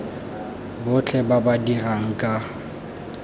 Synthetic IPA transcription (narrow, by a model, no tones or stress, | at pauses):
bʊt͡ɬʰɛbabadiraŋ̩kʼa